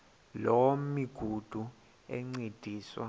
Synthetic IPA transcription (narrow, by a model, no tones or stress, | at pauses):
lomiɡ̥ʱud̥ʱu | ɛŋ͡ǀed̥ʱiːswa̰